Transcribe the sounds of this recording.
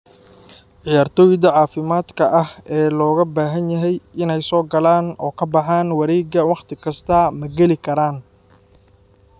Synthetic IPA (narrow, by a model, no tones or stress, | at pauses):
ʕɪjaːrt̪ʰɔːjɪd̪ɐʕɑːfɪmaːd̪kʰɐʔɐhɛːlɔːɣɐbaːɦɐnjɐɦɛjʔɪnɛjsɔːɡɐlaːnɔ̰ːkʰɐbɑħaːnwɐɾɛːɡɐwɑχt̪ʰɪkʰɐst̪ʰɐmɐɡɛlɪkʰɐɾaːn